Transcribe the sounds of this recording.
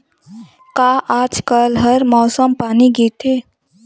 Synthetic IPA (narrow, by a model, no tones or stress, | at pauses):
kaʔad͡ʒkəlɦəɾmɔːsəmpaːniɡit̪ʰe